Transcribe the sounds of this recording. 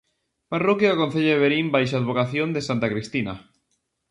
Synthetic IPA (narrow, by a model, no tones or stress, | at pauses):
parokjaːkon̟θeʎaðeβeɾimbajʃaːðβokaθjond̪esant̪akɾist̪ina